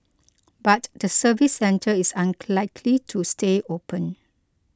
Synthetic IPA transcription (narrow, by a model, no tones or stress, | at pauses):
batdəsəvisːɛ̃ntʰəisãnlaɪkʰlitʰusteopə̃n